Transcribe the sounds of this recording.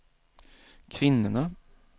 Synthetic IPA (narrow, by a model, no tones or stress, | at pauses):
kʰvɪnːəna